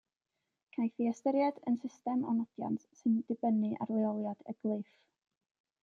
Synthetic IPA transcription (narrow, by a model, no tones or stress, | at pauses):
kʰajθiɛstəɾjadənsɪstɛmɔ̰nɔdja̰ntsɨndɪbənɨʔa̰rwlɛɔlˠjad̥ə̰ɡ̥lˠɪf